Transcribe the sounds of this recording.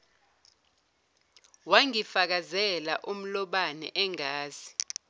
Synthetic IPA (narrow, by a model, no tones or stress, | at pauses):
waŋifak̬azɛlaʔum̩lɔɓanɛ̰ʔɛŋaːz̥i